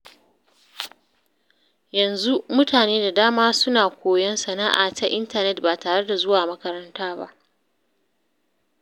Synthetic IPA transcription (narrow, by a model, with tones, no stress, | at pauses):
jɐ˨nzu˦mʊ˦tʰaː˨neː˦da˨daː˦maː˦sʊ˦naː˨kʷoː˨jɐ˦nsɐ˨na̰ː˦ʔa̰ː˨ta˦ʔɪ˦ntɐ˦˨nɛ˦t̚baː˨taː˨ɽe˦da˨zʊ˦waː˨mɐ˦kɐ˦ɾɐ˦ntaː˦ba̰˦ʔ